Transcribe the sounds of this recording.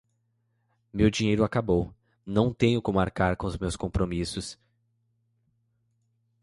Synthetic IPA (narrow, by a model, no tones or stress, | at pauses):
mewd͡ʒĩɲejɾʊakabow | nɐ̃w̃t̪ẽɲʊkõmʊaɾkaɾkõʊzmewskõpɾomisʊs